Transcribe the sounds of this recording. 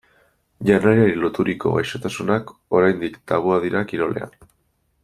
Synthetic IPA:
ʎanaɾiaɾilot̪uɾiko̞̰ɣajʃot̪asunako̞ɾajnd̪ikt̪aβ̞uaðiɾakiɾo̞le̞̰a̰n

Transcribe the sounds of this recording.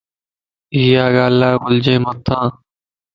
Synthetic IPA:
iːjaːɠaːlaːʋʊld͡ʒẽːmət̪ʰãː

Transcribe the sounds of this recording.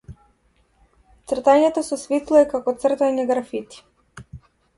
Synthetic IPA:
t̪sr̩t̪aɲɛt̪ɔsɔsvit̪lˠɔɛkakɔt̪sr̩t̪aɲɛɡɾafit̪i̥

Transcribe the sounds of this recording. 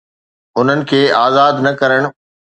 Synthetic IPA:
ʊn̤ənɪ̆kʰeːaːzaːd̪nɐkɐɾəɽ̃

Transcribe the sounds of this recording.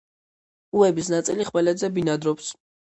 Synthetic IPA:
uɛbisnat̪sʼiliχvɛlɛd̪zɛbinad̪ɾɔps

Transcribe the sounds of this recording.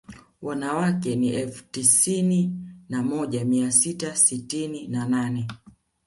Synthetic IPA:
wanawakɛniʔɛlfu̥tisininamɔʄamiasitasitininananɛ

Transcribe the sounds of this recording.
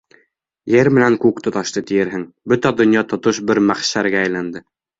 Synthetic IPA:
jɘɾmɘ̆næŋkʉkt̪ŏt̪ɑʃt̪ɤt̪ijɘɾɦɘŋ | bɵt̪æd̪ŏnjɑt̪ŏt̪oʃbɘɾmæχʃæɾɡæːjlænd̪ɘ

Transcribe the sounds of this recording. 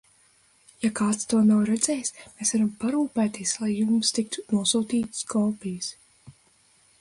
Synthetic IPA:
jakaːt̪st̪uɔnawɾɛd̪zɛjsmeːsvaɾampaɾuːpæːt̪iɛslˠajːumst̪ik̚t̪u̥nuɔsuːt̪iːt̪skɔːpijɨs

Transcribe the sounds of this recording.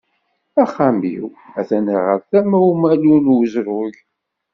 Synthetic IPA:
æχːamḭwæθænəʁə̰ɾθæmæumælunwzɾʊʝ

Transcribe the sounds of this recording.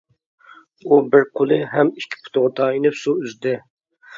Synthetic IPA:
ubɪɾqʰolˠɨɦɛmikʲʰːi̥pʰʊ̥t̪ʊʁɑt̪ʰɑinɪpsuyzd̪ɪ

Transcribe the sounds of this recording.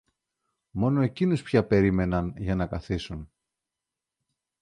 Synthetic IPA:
mo̞no̞e̞cinuspçɐpe̞ɾime̞nɐnʝɐnɐkɐθisun

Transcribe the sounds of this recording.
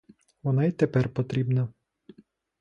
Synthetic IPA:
ʋɔnait̪ɛpɛrpɔt̪ɾʲibnɐ

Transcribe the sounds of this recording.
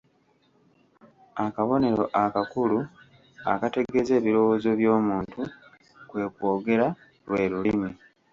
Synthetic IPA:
akaβo̞ne̞ɾo̞ʔakakulu | a̰kate̞ɡe̞ze̞ːβiɾo̞woːzo̞βjo̞ːmuːntu | kwe̞ːkwo̞ːɡe̞ɾa | lwe̞ːɾulimi

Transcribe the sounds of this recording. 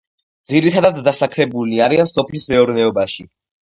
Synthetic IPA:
d̪ziɾit̪ʰad̪ad̪ːasakʰɾɛbuliaɾiansɔpʰlismɛɔɾnɛɔbaʃi

